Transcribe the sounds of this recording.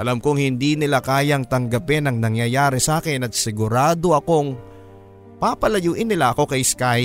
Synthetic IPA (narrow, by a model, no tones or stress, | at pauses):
ʔɐlamkoŋhɪnd̪inɪlakaːjɐŋt̪ɐŋɡɐpɛnɐŋnɐŋjɐjaːɾɛsɐʔaːkɪnɐt̪̚sɪɡʊɾaːd̪o̞ʔɐko̞ŋ | papɐlɐjuːʔɪnːɪlaʔɐko̞kɐjskaj